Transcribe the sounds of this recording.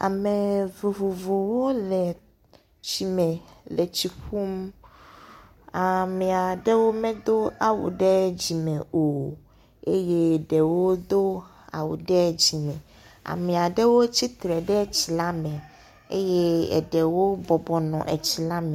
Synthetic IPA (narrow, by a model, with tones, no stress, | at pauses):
a̰˨me˨vo˨vo˨vo˨wo˦lɛ˨ | t͡ɕi˨mɛ̃˨le˨t͡ɕi˨ɸu˦m | a˨mɛ̃˨a˨ɖe˦wo˦mɛ̃˦d̪o˦a˨wṵ˨ɖɛ˦d͡ʑi˨mɛ˨o˨ | e˦je˦ɖɛ˨wo˦d̪o˦ | a̰˨wṵ˨ɖɛ˦d͡ʑi˨mɛ̃˨ | a̰˨mɛ̃˨a˨ɖɛ˦wo˦t͡ɕi˦t̪ɾɛ˨ɖɛ˦t͡ɕi˨la˦mɛ̃˨ | ḛ˦je˦ɛ̰˨ɖɛ˨wo˦bɔ˨bɔ˨nɔ̰̃˨ʔe˨t͡ɕi˨la˦mẽ˨